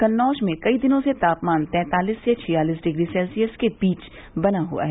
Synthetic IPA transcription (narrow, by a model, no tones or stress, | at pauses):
kɐnːɔːʃmẽkɐid̪ɪnõset̪aːpmaːnt̪ɛ̃ːt̪aːliːsːet͡ʃʰɪjaːliːsɖɪɡɾisɛːlsiəskeb̥iːt͡ʃ | bɐnaɦṵa̰ɦɛː